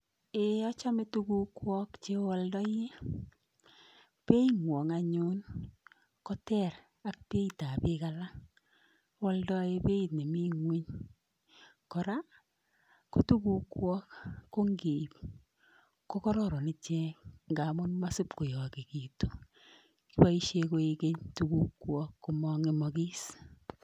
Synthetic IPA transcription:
e˨ɔ˦t͡ʃa˦me˦tu˦ɡu˦kwɔ˦kt͡ʃe˦wɔ˦ldɔ˦je˦ | pe˦i˦ŋwɔ˨ŋa˨ɲʊ˦n | kɔ˦tɛ˦˨ɾ | a˦k̚pe˦i˨ta˨pɪ˦ka˨la˦ | wɔ˦ldɔ˦je˦pe˦i˨tne˨mi˦ŋwi˦ɲ | kɔ˨ɾa˦ | ko˦tu˦ku˦kwɔ˦kːo˦ŋɡi˨p | ko˦kɔ˦ɾɔ˦ɾɔ˨ni˦t͡ʃɛ˦kŋɡa˨mʊ˦nma˦sɪ˦pko˨jɔ˨ke˨ki˨to˨ | ki˦ba˦i˦ʃe˧ko˦eke˦ɲtuku˦kwɔ˦kːo˨mɔ˦ŋe˦mɔ˨ki˦s

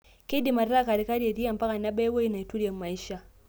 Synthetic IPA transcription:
ki˦di˨ma˨ɾːa˦˨ka˨ɾi˨˦ka˦ɾe˨di˦ja˨mpa˦ka˨nːa˦ba˦jwa˦jna˨tu˦ɾja˨mːa˨jʃa˨

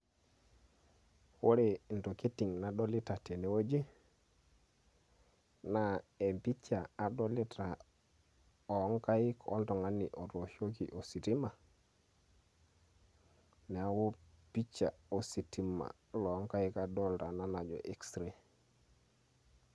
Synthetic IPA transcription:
wo˦ɾe˨n˨to˨ke˦ti˨ŋna˨ɗo˦li˦ta˨te˨ne˨˦wo˦d͡ʒi˦ | na˦e˨mpi˦t͡ʃaː˨do˦li˦tʰa˨ | o˨˦ŋka˦ji˦ko̰˦ntɔ˨ŋa˦ni˨ʔo˨ɾo˨ʃo˦kḭ˨ʔo˨si˨ti˦ma˨ | ne˨a˦wo˦pi˦t͡ʃːa˨o˨si˨ti˦ma̰˨ | lo˨˦ŋka˦ji˦ka˨do˦lta˨na˦na˨d͡ʒo̰˨ʔe˦kstɾe˨

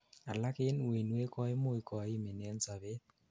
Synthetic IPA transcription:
a˨la˦kɪ˦n˨i˨nwe˦kɔ˦jmʊ˦jkɔ˨ɪ˦me˨nɛ˦nsa˨βe˦t̪̚

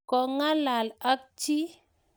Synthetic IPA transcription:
kɔ˨ŋa˦la˨la˦k̚t͡ʃi˦

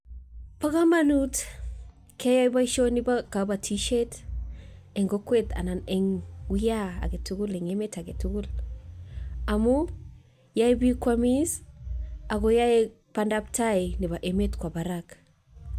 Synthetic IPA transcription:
pa˦ka˦manut | kʰe˦ja˦jba˦ʃo˦ni˦bakabatʰiʃet | eŋɡokweta̰˨na˨ne˨ŋwijaa̰˨ɡe˨tu˦ɡu˦leŋeme˦ta˨ɡe˨tu˦ɡu˦l | a˨mu | ja˦jbi˦kwamis | a˨ɡoja˦e | pandaptajni˨ba˨ʔe˨metkʷwa˨ba˨ɾak

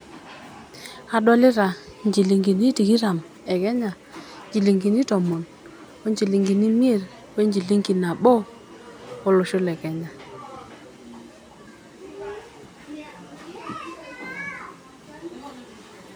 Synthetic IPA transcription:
a˦dwɔ˦lɪ˦ɾa˨nd͡ʒi˨li˨ŋɡi˨ni˦ti˨ki˦ɾa˨m | ɛ˨kɛ˦ɲa˨ | d͡ʒi˨li˨ŋɡi˨ni˦tɔ˨mɔ˨n | o˦ɲd͡ʒi˨li˨ŋɡi˨ni˦mi˦e˦˨ɾ | we˦ɲd͡ʒi˨li˦ŋɡi˨na˨ɓɔ˦ | ɔ˦lʊ˨ʃʊ˦lɛ˨kɛ˨ɲa˨

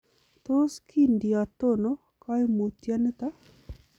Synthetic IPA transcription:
t̪o˦skʰi˦ndi˨a˨t̪o˦no˦ | ka˦jmu˨t̪ja˦nə˦t̪a˦

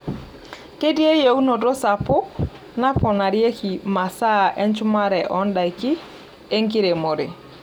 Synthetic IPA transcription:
ke˦di˦e˦je˨u˦no˨do˦sa˨pʊ˦ | na˦pʰɔ˨na˨ɾje˦ki˨ma˨sa˦˨ʔɛ˦nt͡ʃʊ˦ma˦ɾɛ˨ʔɔ˦nda˨i˨ki˦ | e˦ŋki˦ɾe˨mo˨ɾḛ˨

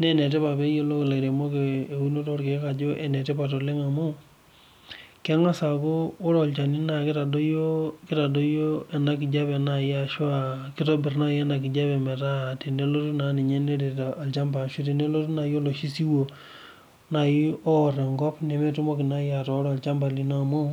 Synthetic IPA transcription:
ne˦nɛ˨t̬e˦pa˨pe˦jo˦lo˦kla˨ɾe˨mo˦keː˨wu˦no˦to˦ɾke˨˦ka˨d͡ʒo˦ʔɛ˨nɛ˨te˦pa˨to˨le˦ŋa˨mu˦ | kɛ˦ŋa˦sa˨ko˦o˦ɾɔ˨lt͡ʃa˨ni˦na˨kɪ˦ta˨do˦jo˦kɪ˦ta˨do˦jo˦ɛ˨na˦kɪ˨d͡ʒa˦pɛ˨na˨ja˨ʃwa˦˨kɪ˦to˦bɪ˨rna˦jɛ˦na˨kɪ˨d͡ʒa˦pɛ˨mɛ˨ta˦˨ti˨ne˦lo˦tu˦na˨˦ni˨ɲe˦ne˦de˨ta˨a˨lt͡ʃa˦mba˨ʃi˦te˨ne˦lo˦tu˦na˨jo˦lo˨ʃi˦si˦wo˨ | na˨ji˦ɔ˦ɾɛ˨ŋɡɔ˦pne˨me˦tu˦mo˦kɪ˨na˦ja˨tɔː˨˦ɾɔ˨a˨lt͡ʃa˦mba˨li˦na˦˨mo˦

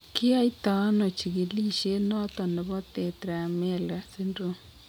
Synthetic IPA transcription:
kɪ˦a˦i˦ta˨a˦no˨t͡ʃi˨ɣi˨li˦ʃe˦nɔ˦t̪ɔ˨nɛ˨βɔ˦t̪ɛ˨t̪ɾa˨mɛ˦˨la˨si˦ndo˦

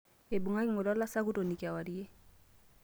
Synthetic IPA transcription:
e˨bu˨ŋa˦kmʊ˨lɔ˦la˦sa˦kʊ˦to˨ni˨ki˨a˨wa˨die˦

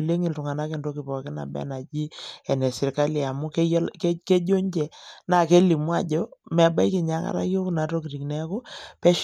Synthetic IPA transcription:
le˦ŋɪ˨ltʊ˨ŋa˨na˦ke˨ndo˦kɪ˨pɔ˨kɪ˦na̰˨bɛ̰˦na˨d͡ʒi˦ɛ˨nɛ˨sɪ˨ɾka˦li˨a˨mʊ˦kkke˦d͡ʒo˦ɲd͡ʒɛ˨na˦˨ke˦li˨mwa̰˨d͡ʒɔ˦mɛ˨ɓa˦jkɪ˨ɲa˦ŋa̰˨ɾa̰˦jo˦kna˨to˦ki˨ɾi˨knɛ˨˦ko˦pɛ˦ʃ

